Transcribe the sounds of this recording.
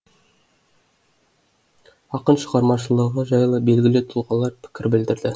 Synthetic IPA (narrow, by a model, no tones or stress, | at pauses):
ɑqənʃəʁɑɾmɑʃəlˠəʁəʒɑjlˠəbe̞lɡʲɪlɪt̪ʰʊlˠʁɑlˠːɑɾpʰɪ̥kʲɪɾbɪld̪ɪɾd̪ɪ